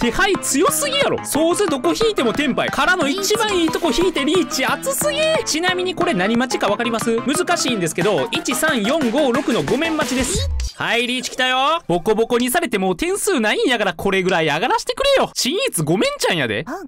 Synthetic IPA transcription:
t̪e̞hait͡sɨjo̞sɨɡʲijaɾo̰so̞ːzɨd̪o̞ko̞çiːt̪e̞mo̞t̪ẽ̞mpaikaɾano̞it͡ɕibãɰ̃iːt̪o̞ko̞çiːt̪e̞ɾʲiːt͡ɕiat͡sɨsɨɡʲit͡ɕinamʲiɲ̟iko̞ɾe̞naɲ̟imat͡ɕi̥kaβ̞akaɾʲimasɨmɯ̟zɨkaɕiːnd̪e̞sɨ̥ke̞d̪o̞it͡ɕisãɰ̃jõ̞ŋɡo̞ːɾo̞kɯ̟no̞ɡo̞mẽ̞mːat͡ɕid̪e̞sɨ̥haiɾʲiːt͡ɕi̥kʲi̥t̪ajob̥o̞kobo̞ko̞ɲ̟isaɾe̞t̪e̞moːt̪ẽ̞ɰ̃sɨːnaĩɰjaɡaɾakʰo̞ɾe̞ɡɯ̟ɾaiaɡaɾaɕi̥t̪e̞̥kɯ̟ɾe̞jo̞ɕĩɰ̃it͡sɨɡo̞mẽ̞ɲ̟t͡ɕãɰ̃ja̰d̪e̞̰

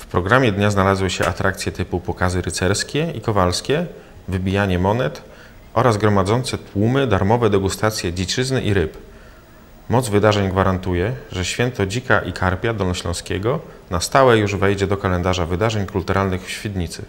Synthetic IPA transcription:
fpɾɔɡɾamʲjɛd̪ɲaznalazwɘɕɛʔa̰t̪ɾʔakt̪sjɛt̪ɘpupɔkazɘɾɘt̪sɛɾskʲɛikɔvalskʲɛ | vɘbʲijaɲɛmɔnɛt̪ | ʔɔɾazɡɾɔmad̪zɔnt̪sɛt̪wumɘd̪aɾmɔvɛd̪ɛɡust̪at̪sʲjɛd͡ʑit͡ʂɘznɘʔiɾɘp | mɔd̪zvɘd̪aʐɛɲɡvaɾant̪ujɛʐɛɕfʲjɛnt̪ɔd͡ʑikaʔikʰaɾpʲjad̪ɔnɔɕlɔ̰̃w̃skʲɛɡɔnast̪awɛjuʐvɛjd͡ʑɛd̪ɔkalɛnd̪aʐavɘd̪aʐɛɲkult̪uɾʔalnɘxfɕfʲid̪ɲit̪sɘ̰

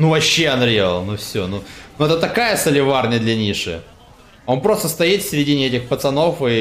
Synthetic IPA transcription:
nuvɐɕːeɐnɾʲevə̰lˠnufsʲonunuɛt̪ət̪ɐkajəsəlʲɪvarnʲəd̪lʲɐnʲiʂɨ̰ | o̞npɾo̞st̪əst̪ɐjit̪fʲsʲɾʲɪdʲinʲɪɛtʲɪxpət̪sɐno̞fɨ

